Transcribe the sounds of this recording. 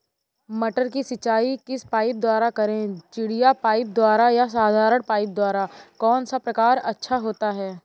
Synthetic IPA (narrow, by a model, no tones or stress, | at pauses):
mɐʈəɾkisɪt͡ʃaːikɪspaːɪp̚d̪waːɾakɐɾẽt͡ʃɪɽijapaːɪp̚d̪waːɾajas̬aːd̪ʱaːɾəɽpaːɪp̚d̪waːɾakɔːnsapɾɐkaːɾɐtːʃʰaɦoːt̪aɦɛː